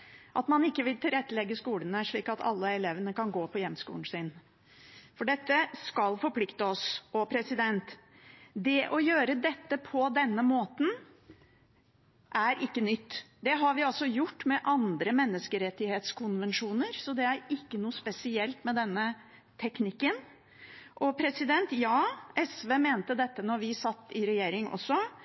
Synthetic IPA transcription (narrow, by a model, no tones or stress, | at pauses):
ʔɑ̰t̪mɑnɪkːəʋɪlt̪ʰɪlɾɛt̪ːəlɛɡːəskuːlənəʂɭiːkɑt̪ʰɑ̰lːəɛleːʋənəkɑnɡoːpʰɔjɛmskṵːn̩sɪn | fɔɖɛt̪ːəskɑlfɔɾpʰlɪkt̪əɔsɔpʰɾɛsɪd̪ɛnt̪ | d̪ɛʔɔjøːɾəd̪ɛt̪ːəpʰɔd̪ɛnːəmoːt̪n̩ | ʔæɾʔɪkːənʏt̪ːd̪ɛɦɑɾʋɪɑlsɔjʊʈːmɛʔɑnd̪ɾəmɛnːəskəɾɛt̪ːɪheːt̪skʰʊnʋɛnʂuːnəɾsɔd̪ɛæɾɪkːənuːspɛsɪɛlt̪mɛd̪ɛnːə | t̪ʰɛknɪkːən | ʔɔpʰɾɛsɪd̪ɛnt̪jɑːʔɛsʋeːmeːnt̪əd̪ɛt̪ːənɔɾʋɪsɑt̪ːɪɾɛjeːɾɪŋʔɔ̰sːɔ